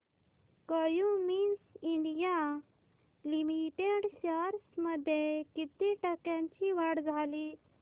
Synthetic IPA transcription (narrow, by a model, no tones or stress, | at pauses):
kəjũminsiɳɖija | limiʈeɽɕəɾsməd̪ʱːjekit̪iʈəkjãɲt͡ɕiʋaɽd͡zʱali